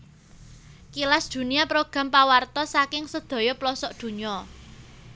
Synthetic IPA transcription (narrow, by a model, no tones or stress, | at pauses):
kilasd̪̥ṳniapɾoɡ̥ä̤mpawart̪ɔsakɪŋsəd̪̥ɔ̤jɔplɔsɔʔd̪̥ṳɲɔ